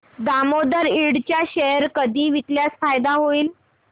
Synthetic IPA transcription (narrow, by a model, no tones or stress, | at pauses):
d̪amod̪əɾiɽt͡ɕjaɕəɦɾkəd̪ʱiːʋit̪ljat͡sfajd̪aɦoiːl